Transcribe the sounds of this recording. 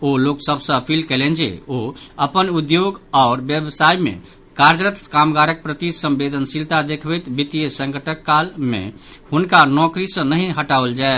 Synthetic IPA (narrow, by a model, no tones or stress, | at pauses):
oloksəbsə̃pʰilkelend͡ʒḛoəpənud̪joɡaːɾbjəbsaimḛ | kaɾd͡ʒɾət̪kamɡaɾək̚pɾət̪isə̃mbed̪ʱənsilt̪ad̪ekʰbɛjt̪bit̪ijəsə̃ŋkəʈəkːalmḛhunkanɔkɾisə̃nəɦĩɦəʈauld͡ʒae